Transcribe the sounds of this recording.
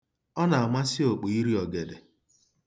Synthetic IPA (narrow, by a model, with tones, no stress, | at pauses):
ɔ˦na˨a˨ma˦si˦o˨k͡po˨i˦ɾi˦ɔ˨ɡe˨de˨